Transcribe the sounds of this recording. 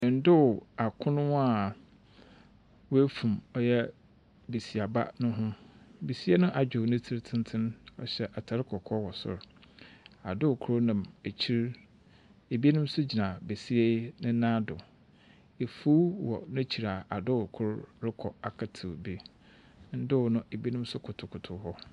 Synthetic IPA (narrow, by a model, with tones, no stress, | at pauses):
n̩˨˦dʊ˦˨a˨kʰʊ̃˦nʊ̃˦a˦˨ | wʊ˦e˦fũ˨mɔ˦jɛ˦ | be˨si˨a˨ba̰˦nʊ̃˦ɦʊ̃˦bi˨si˦ɛ˦nʊ̃˦ʔa˨d͡ʑᶣʊ˨nʊ̃˦tʰi˦ɾtʰɪ̃˦n˦tʰɪ̃˦nɔ̰˨ɕɛ˦ʔa˨tʰa˨ɾɪ˦kʰɔ˨kʰɔ˦wɔ˨sʊ̰˨ɾ | a˨dʊ˦˨kʰʊ˦ɾnã˨me˨t͡ɕʰi˦ɾ | e˨bi˦e˦nʊ̃˦m̩˦sʊ˦d͡ʑi˨nã˨be˨si˦e˦nɪ̃˦nãː˦dʊ˨ | e˨fu˦wɔ̰˨nʊ̃˦t͡ɕʰi˨ɾa˨a˨dʊ˦˨kʰʊ˦ɾɾɪ˦kʰɔ˨a˨kʰa˨tʰɪ˨bi˦ | n̩˦dʊ˦wnʊ̃˦ʔe˨bi˦e˦nʊ̃˦m̩˦sʊ˦kʰʊ˨tʰʊ˨kʰʊ˨tʰʊ˨ɦɔ˦